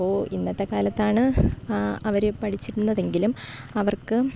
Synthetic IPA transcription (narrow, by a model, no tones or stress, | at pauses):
oːinːɐt̪ːekaːlɐt̪ːaːɳɨ | ɐʋɐɾepɐʈʰit͡ɕːiɾunːɐðe̞ŋɡilumɐʋɐrkɨ